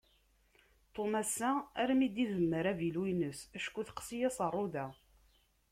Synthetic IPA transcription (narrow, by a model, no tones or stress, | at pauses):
t̪ˤomæsːææɾmid̪iðəmːəɾævilwijnəsæʃkːuθqsijæsərˤːoðæ